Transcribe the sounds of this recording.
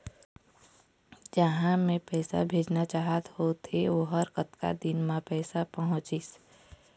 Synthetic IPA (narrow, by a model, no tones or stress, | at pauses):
d͡ʒəɦãmẽpɛːsa̰bʱeːd͡ʒnat͡ʃaːɦət̪hot̪ʰeʋoɦəɾkət̪ka̰d̪ɪnmãpɛːsapəɦʊ̃t͡ʃɪs